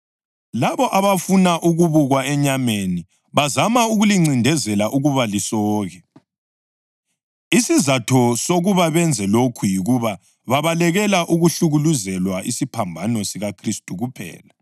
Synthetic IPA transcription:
laβɔʔaβafunaʔuɣuβuɣwaɛɲameni | βazamauɣuliŋ͡ǀindʱɛzɛlaʔuɣuβalisɔːɣɛ | isizatʰɔsoɣuβaβɛnd͡zʱɛlokʰujiɣuβa | βaβalɛɣɛlaʔuɣuɬuɣuluzɛlwaʔisipʰambʱanosiɣakʰristʼuɣupʰɛ̰ːla

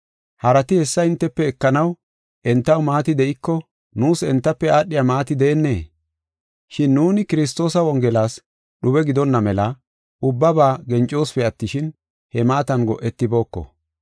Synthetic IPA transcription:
hɐɾɐt̪ɪhɛsːɐɪnt̪ːɛpːɛːkːɐnɐw | ʔɛnt̪ːɐwmaːt̪ɪd̪ɛʔɪkːɔ | nuːsɛnt̪ːɐpːɛaːɗːɪjamaːt̪ɪd̪ɛːnːe̞̰ː | ʃɪnːuːnɪkɪɾɪs̬t̪o̞ːsɐwɔŋɡɛlaːs | ɗʊbɛɡɪd̪ɔnːɐmɛlɐ | ʊbːɐbaːɡɛnt͡ʃʼːo̞ːsfɛɐt̪ːɪʃɪn | hɛmaːt̪ɐnɡɔʔɛt̪ːɪbo̞ːkːɔ̰

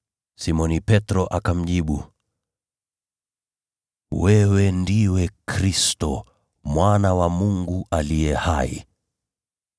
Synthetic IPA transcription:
simɔnipɛtɾɔʔakam̩ʄiɓu | wɛwɛndiwɛkɾistɔ | mwanawamuŋɡuʔalijɛha̰ḭ

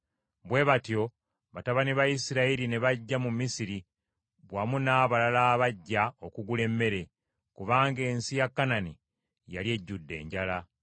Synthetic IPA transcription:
βwe̞βatjo̞ | βataβaniβajisiɾaiɾine̞βaɟːamumːisiɾi | βwamunaːβalalaːβaɟːaokuɡule̞mːe̞ɾe̞ | kuβaːŋɡe̞ːnsijakːanani | ja̰lje̞ɟːudːe̞̰ːɲɟala

